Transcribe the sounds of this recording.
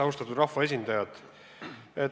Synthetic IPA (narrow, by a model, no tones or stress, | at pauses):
ɑust̪ɑt̪ud̪rɑhvɑe̞s̬ʲind̪̥ɑjɑt̪ | e